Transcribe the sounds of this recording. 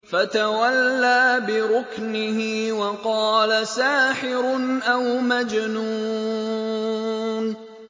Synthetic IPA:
fat̪awalːaːbɪɾʊknɪhiːwɑqɑːlasaːħɪɾʊnʔawmad͡ʒnuː | n

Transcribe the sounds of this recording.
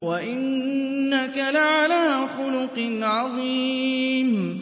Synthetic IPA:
waʔɪnːakalaʕalaaxʊlʊqnʕɑðˤiːm

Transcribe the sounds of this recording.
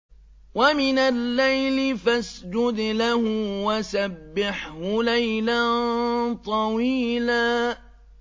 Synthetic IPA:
wamɪnalːajlɪfasd͡ʒʊd̪lahʊwasabːɪħhʊlajlant̪ˤɑwiːlaː

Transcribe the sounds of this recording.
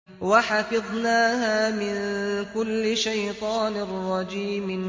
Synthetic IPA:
waħɑfɨðˤnaːɦaːmɪnkʊlːɪʃajt̪ˤɑːnɪrˤːɑd͡ʒiːm

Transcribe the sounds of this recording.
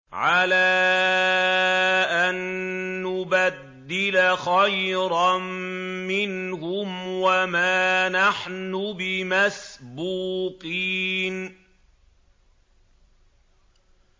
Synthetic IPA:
ʕalaː | ʔanːʊbad̪ːɪlaxajɾɑmmɪnhʊmwamaːnaħnʊbɪmasbuːqiːn

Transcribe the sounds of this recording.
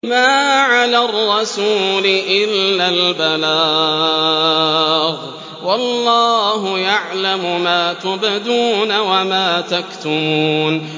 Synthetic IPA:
maːʕalaːrˤːɑsuːlɪʔɪlːaːlbalaː | ɣ | wɑlˤːɑːɦʊjaʕlamʊmaːt̪ʊbɪd̪uːnawamaːt̪akt̪ʊmuːn

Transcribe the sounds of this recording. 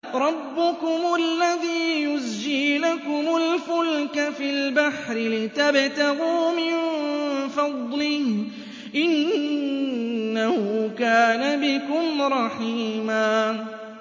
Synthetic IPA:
ɾˤɑbːʊkʊmʊʔlːaðiːjʊzd͡ʒɪlakʊmʊlfʊlkafilbaħɾɪlɪt̪abt̪aɣuːmɪnfɑd̪ˤlɪh | ʔɪn | ahʊkaːnabɪkʊmɾˤɑħiːmaː

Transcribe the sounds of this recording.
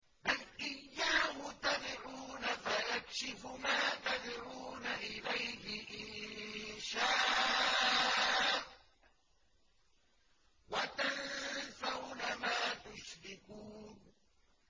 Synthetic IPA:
ʔanʔɪjːaːhʊt̪abɪɾuːnafajakʃɪfʊmaːt̪adɪɾuːnaʔɪlajhɪʔɪ | ʃaː | wat̪ansawnamaːt̪ʊʃɾɪkuːn

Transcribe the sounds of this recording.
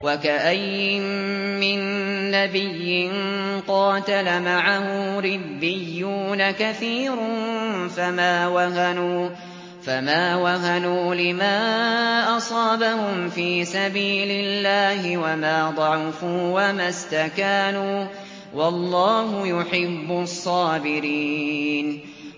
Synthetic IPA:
wakaʔajɪmːɪnːabɪjːɪnqɑːt̪alamaʕahʊɾɪbːɪjːuːnakaθiːɾʊnfamaːwaɦanuː | famaːwaɦanuːlɪmaːʔɑsˤɑːbahʊmfiːsabiːlɪlːaːhɪwamaːd̪ˤɑʕʊfuːwamast̪akaːnuː | wɑlˤːɑːɦʊjʊħɪbːʊsˤːɑːbɪɾiːn

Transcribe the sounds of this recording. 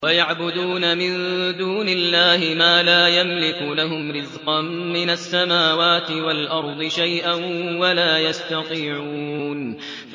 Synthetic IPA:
wajaʕbʊd̪uːnamɪnd̪uːnɪlːaːhɪmaːlaːjamlɪkʊlaɦʊmɾɪzqɑnmɪnasːamaːwaːt̪ɪwalʔɑɾˤd̪ˤɨʃajʔanwalaːjast̪ɑq̪iːʕun

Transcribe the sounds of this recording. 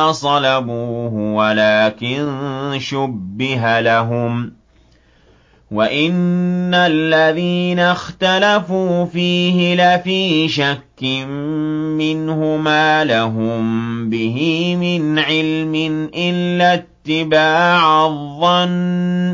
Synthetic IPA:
sˤɑlabuːɦʊwalaːkɪnʃʊbbːɪɦalaɦʊm | waʔɪnːalːaðiːnaxt̪alafuːfiːhɪlafiːʃakːɪmːɪnhʊmaːlaɦʊmbɪɦɪmɪnʕɪlmɪnʔɪlːat̪ːɪbaːʕaðˤːɑn

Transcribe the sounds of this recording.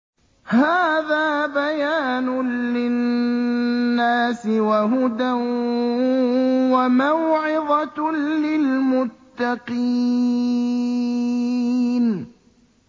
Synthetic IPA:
haːðaːbajaːnʊlɪ | aːsɪwaɦʊd̪an | wamawʕɪðˤɑlɪlmʊt̪ːɑqi | n

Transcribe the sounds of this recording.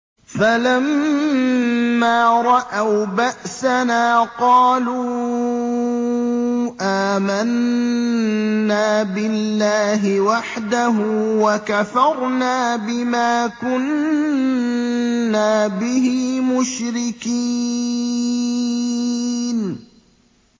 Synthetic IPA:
falam | aːɾˤɑʔawbaʔsanaːqɑːluː | ʔaːman | aːbɪlːaːɦɪwaħd̪aɦuːwakafɑɾˤnaːbɪmaːkʊn | aːbɪɦiːmʊʃɾɪki | n

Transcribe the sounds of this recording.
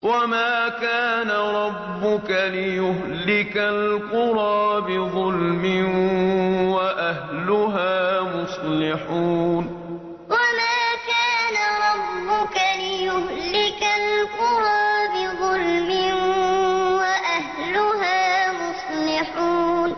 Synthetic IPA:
wamaːkaːnaɾˤɑbːʊkalɪjʊɦlɪkalqʊɾˤɑːbɪðˤʊlmɪn | waʔahlʊɦaːmʊsˤlɪħuːn | wamaːkaːnaɾˤɑbːʊkalɪjʊhlɪkalqʊɾˤɑːbɪðˤʊlmɪ | waʔaɦ | lʊɦaːmʊsˤlɪħuːn

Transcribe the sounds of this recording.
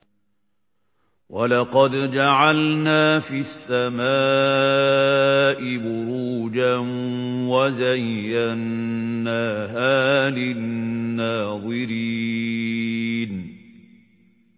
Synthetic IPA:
walɑqɑd̪d͡ʒaʕalnaːfisːamaː | ʔɪbʊɾuːd͡ʒanwazajːanːaːɦaːlɪː | aːðˤɨɾi | n

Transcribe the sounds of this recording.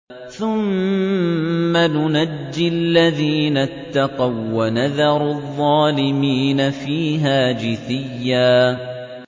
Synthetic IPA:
θʊm | anʊnad͡ʒːɪlːaðiːnat̪ːɑqɑwːanaðɑɾˤðˤːɑːlɪmiːnafiːɦaːd͡ʒɪθɪjːaː

